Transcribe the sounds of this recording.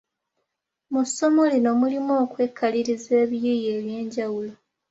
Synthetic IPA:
musːo̞mo̞lino̞mulimo̞ːkwe̞ːkʰːaliɾize̞ːβjijeːβje̞ːɲɟawulo̞

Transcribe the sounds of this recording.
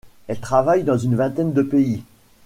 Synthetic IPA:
ɛlt̪χavajd̪ɑ̃zynvɛ̃t̪ɛnd̪əpei

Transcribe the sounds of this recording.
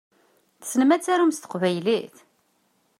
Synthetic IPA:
θsənmæt͡sːæɾumst̪ə̥qvæjliθ

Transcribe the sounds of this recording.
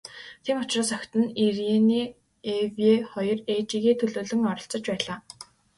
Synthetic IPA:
t̪ʰeːmʊt͡ɕraːsɔkʲt̪ɘ̆nireniː | eweχɔjɞ̆ret͡ɕiːɣeːt̪ʰɵɮoːɮɘ̆ŋɔɾɞ̆ɬt͡sə̆t͡ɕpæːɮaː

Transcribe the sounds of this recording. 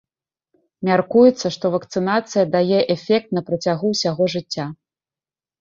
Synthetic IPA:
mʲarkujɛt̪sːɐʂt̪ɔvɐkt̪sɨnat̪sɨjɐd̪ajɛʔɛfʲɛk̚t̪̚nɐpɾɐt͡sʲaɣuwsʲaɣɔʐɨt͡sʲːa

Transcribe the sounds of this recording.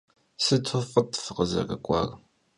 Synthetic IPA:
sɨtʰofʼətʰʼfɨqəzɐ̰kʼɐkʷʼɑ̰ːr

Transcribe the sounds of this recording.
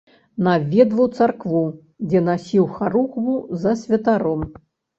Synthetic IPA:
navʲɛd̪vɐwt̪sarkvu | d͡zʲɛnasʲiwxaɾuxbuzɐsʲvʲɐt̪aɾɔm

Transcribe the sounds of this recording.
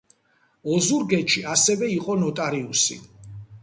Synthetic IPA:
ɔzuɾɡɛʃiasɛvɛiqʼɔnɔt̪ʼaɾiusḭ

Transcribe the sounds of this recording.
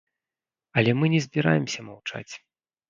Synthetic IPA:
ɐlʲɛmɨnʲɛzʲbʲiɾa̰jɛmsʲɐmawt͡ʂa̰t͡sʲ

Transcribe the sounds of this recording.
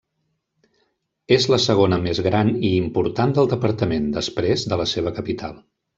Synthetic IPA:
ezləsəɣ̞onəmezɣɾaniːmpuɾt̪and̪əlˠd̪əpəɾt̪əmend̪əspɾezd̪ələseβ̞əkəpit̪ʰa̰lˠ

